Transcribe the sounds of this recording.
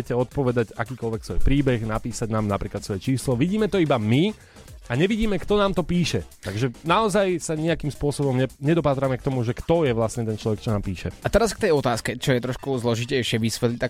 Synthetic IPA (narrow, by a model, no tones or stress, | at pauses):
ɛcɛɔt̪̚pɔʋɛd̪aɟakiːkɔlʋɛksʋɔjpɾiːbɛɣnapiːsaɟnaːmnapɾiːklat̪sʋɔjɛt͡ʃiːslɔʋiɟiːmɛt̪ɔibami | aɲɛʋiɟiːmɛkt̪ɔnaːmt̪ɔpiːʃɛt̪aɡʒɛnaɔzajsaɲiakiːmspʊɔsɔbɔmɲɛɲɛd̪ɔpaːt̪ɾamɛk̚t̪ɔmuʒɛkt̪ɔjɛʋlastɲɛt̪ɛnt͡ʃlɔʋɛkt͡ʃɔnaːmpiːʃɛat̪ɛɾask̚t̪ɛjɔt̪aːskɛt͡ʃɔjɛt̪ɾɔʃkuzlɔʒicɛɪʃɪɛʋisʋɛt̪lit̪a